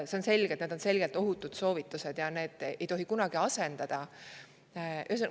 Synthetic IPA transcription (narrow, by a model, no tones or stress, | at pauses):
se̞o̞nse̞lʲɡ̥e̞t̪ned̪o̞nse̞lɡ̥e̞lt̪ːˑo̞ɦut̪ːˑud̪̥so̞ːvit̪ːˑuse̞d̪̥jɑne̞ːd̪̥ʔejt̪o̞ɦikunɑɡ̥iɑse̞nd̪̥ɑd̪̥ɑ | ʔys